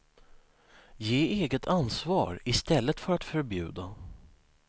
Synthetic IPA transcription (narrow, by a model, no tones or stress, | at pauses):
jeːeːɡət̪ʰansvɑ̰ːɾɪst̪ɛlːət̪fœɾat̪fœɾbjʉ̟ːd̪a